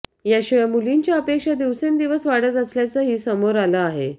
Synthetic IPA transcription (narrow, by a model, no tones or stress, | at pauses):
jaɕujamuliɲt͡ɕjaəpekʂad̪iʋsend̪iʋəsʋaɽət̪əsljat͡saɦiːsəmoɾalaaɦe